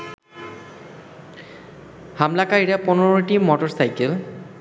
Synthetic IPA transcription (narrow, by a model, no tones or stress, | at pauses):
hamlakaɹiɹɛpʊnɔɹɔʈimɔtɔɹsajkɛl